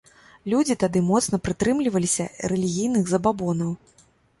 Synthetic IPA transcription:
lʲud͡zʲit̪ad̪ɨmɔt̪snɐpɾɨt̪ɾɨmlʲivɐlʲisʲɐrɛlʲiɣʲijnɨɣzɐbabɔnɐw

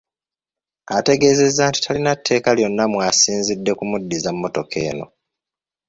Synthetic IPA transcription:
ate̞ɡe̞ːze̞zːaːnti̥tʰalinatʰːe̞ːkaljo̞nːamwaːsiːnzidːe̞kumudːizamːo̞to̞kʰe̞̰ːno̞̰

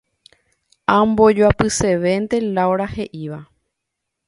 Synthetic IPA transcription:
ãmbo̞d͡ʒoapɨse̞ʋe̞nt̪e̞lawɾahe̞ʔiʋa

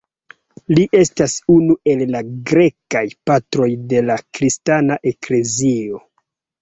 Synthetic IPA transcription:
liʔe̞stasunue̞lːaɡɾe̞kajpatɾo̞jde̞lakɾistanaʔe̞kle̞zio̞

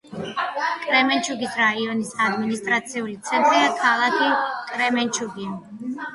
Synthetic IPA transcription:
kʼɾɛmɛnt͡ʃʰuɡisɾaiɔnisad̪minist̪ʼɾat̪sʰiulit̪sʰɛnt̪ʼɾiakʰalˠakʰikʼɾɛmɛnt͡ʃʰuɡi

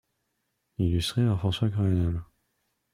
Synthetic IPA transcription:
ilyst̪χepaʁfχɑ̃swakamanal

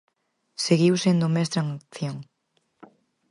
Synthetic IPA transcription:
seɣiwsend̪omest̪ɾaŋakθjoŋ

